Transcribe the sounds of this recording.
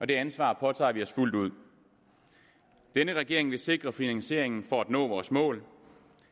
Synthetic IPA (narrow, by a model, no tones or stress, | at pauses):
ʔɒ̽d̥e̝ænsʋɑ̰̈ːpʰɒ̽t͡sʰɑ̰̈ːʋiɒ̽sful̰d̥uð̰ˠ | d̥enəʁɛɡ̥e̝ɐ̰eŋʋe̝se̝ɡ̥ʁɐfinænse̝ɐ̰e̝ŋn̩fɒæd̥nɔ̰̽ːʋɒːsmɔ̰̽ːl